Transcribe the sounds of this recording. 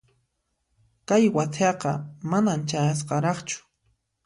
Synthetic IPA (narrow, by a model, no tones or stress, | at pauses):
kajwat͡sʰɑqɑ̰manamt͡ʃajas̬qɑɾɑχt͡ʃʊ̥